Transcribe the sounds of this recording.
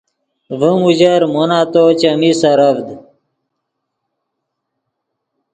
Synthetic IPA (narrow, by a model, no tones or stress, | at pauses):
vəmud͡ʑaɾmonaːt̪ot͡ɕɐmisɐɾɐvd̪